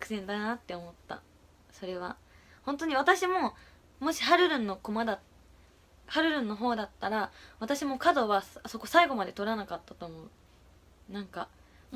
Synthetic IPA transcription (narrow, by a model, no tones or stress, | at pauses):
kɯ̟̥sẽ̞nd̪anat̪ːe̞o̞mo̞t̪ːa̰ | so̞ɾe̞β̞a | hõ̞nt̪o̞ɲ̟iβat̪aɕimo̞ | mo̞ɕi̥ɦaɾɯ̟ɾɯ̟̃nːo̞komad̪a | haɾɯ̟ɾɯ̟̃nːo̞ɦo̞ːd̪at̪ːaɾaβat̪aɕimo̞kad̪o̞βasaso̞ko̞saiɡo̞mad̪e̞t̪o̞ɾanakat̪ːat̪o̞ːmo̞ɯ̟ | nãŋka